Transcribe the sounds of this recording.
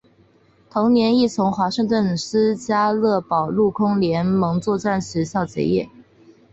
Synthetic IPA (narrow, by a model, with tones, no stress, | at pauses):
t̪ʰʊ˧˥ŋnjɛ˧˥ni˥˩t͡sʰʊ˧˥ŋxwa˧˥ʂɤ˥˧ŋt̪wə˥˩ns̩˥t͡ɕja˥lɤ˥˩pɑ˨˩ʊlu˥˩kʰʊ˥ŋljɛ˧˥nmɤ˧˥ŋt͡swɔ˥˧ʈ͡ʂa˥˩nɕ̩˧˥ɕjɑ˥˩ʊt͡ɕɛ̰˧˥jɛ̰˥˩